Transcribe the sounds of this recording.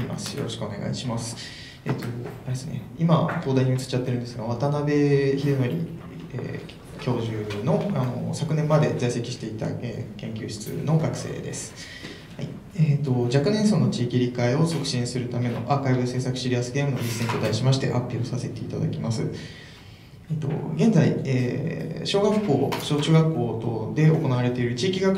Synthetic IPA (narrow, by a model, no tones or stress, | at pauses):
ima̰sɨ̥jo̞̰ɾo̞ɕi̥kɯone̞ɡa̰iɕimasɨ̥ | eːt̪o̞aɾesɨne̞̰ | imat̪o̞ːd̪aiɲ̟iɯ̟t͡sɨ̥t͡ɕat̪ːeɾɯ̟nd̪esɨɡaβat̪anabe̞çiɾɯmoɾʲḭ | ḛː | kʲʰo̞ːʑɨːno̞ano̞̰sakɯ̟nẽ̞mːad̪e̞d͡zaise̞kʲi̥ɕi̥t̪e̞it̪a̰ḛːkẽ̞ŋkʲɨːɕi̥t͡sɨ̰no̞ɡakɯ̟̥se̞̰ːd̪e̞sɨ̥ | hai | eːt̪o̞d͡ʑakɯ̟neɰ̃so̞nːo̞t͡ɕiːkʲiɾʲikaio̞sokɯ̟̥ɕĩɰ̃sɨɾɯ̟t̪ame̞no̞̰ʔaːkaibɯse̞ːsakɯ̟ɕiɾʲiasɨ̥ɡe̞ːmɯoɾisːent̪od̪aiɕimaɕi̥t̪e̞̰hapʲːio̞sase̞t̪e̞it̪ad̪a̰kʲimasɨ̰ | et̪o̰ɡẽ̞nd͡zaieːɕo̞ːɡakːo̞ːɕoːt͡ɕɨ̟ːɡakːo̞ːt̪o̞d̪e̞o̞ko̞naβaɾe̞t̪e̞iɾɯ̟t͡ɕiːkʲiɡak